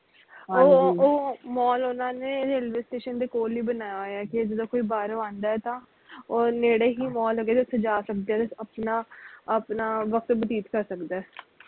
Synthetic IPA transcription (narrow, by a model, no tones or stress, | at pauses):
oːoːmɔːlʊnãːneːɾeːlʋeːsʈeːʃənd̪eːkoːlːiːbənaːjaoːjaːkɪd͡ʒəd̪õːkoːiːbaːɾoãːnd̪aːɛːt̪ãː | oːneːɽeːɦiːmɔːlɦoːɡeːt̪eʊsʰːed͡ʒaːsək̚d̪eɛːd̪ɪsəpnaːəpnaːʋəkt̪ːbəd̪iːt̪kəɾsəkd̪aːɛː